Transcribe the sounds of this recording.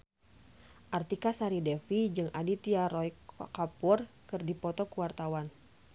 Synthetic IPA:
ʔart̪ikasaɾidɛfid͡ʒɨŋʔadit̪iaɾɔjkapʊr | kɨrdipɔt̪ɔkuwart̪awan

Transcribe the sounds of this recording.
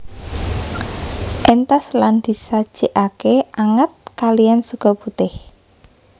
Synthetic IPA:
ʔent̪asland̪̥i̤sad̥ʒ̥e̤ʔakeʔaŋət̪̚kalijansəɡ̥ɔput̪ɪh

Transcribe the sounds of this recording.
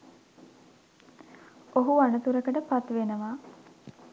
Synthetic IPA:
oɦuanət̪uɾəkəʈəpat̪ʋenəʋaː

